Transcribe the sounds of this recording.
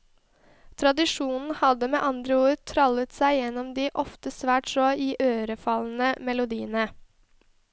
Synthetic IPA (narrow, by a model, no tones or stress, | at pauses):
t̪ʰɾɑd̪ɪʂuːnn̩hɑd̪əmeːʔɑnd̪ɾəuːɾt̪ʰɾɑlət̪sæɪjɛnːɔmd̪iːʔɔft̪əsʋæːʈsɔːiːʔøːɾəfɑln̩əmɛlʊd̪iːənə